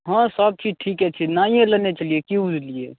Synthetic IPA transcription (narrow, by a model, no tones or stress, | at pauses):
ɦə̃səb̚t͡ʃʰiʈʰikɛt͡ʃʰinaĩjẽlənet͡ʃəlijekiud͡ʒlije